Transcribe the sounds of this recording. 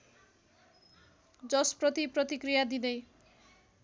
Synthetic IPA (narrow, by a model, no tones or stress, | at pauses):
d͡zʌsprʌt̪iprʌt̪ikɾijad̪id̪ej